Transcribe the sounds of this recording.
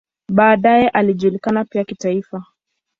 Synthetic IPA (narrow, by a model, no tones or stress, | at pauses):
ɓaːɗajɛʔaliʄulikanapiakitaifa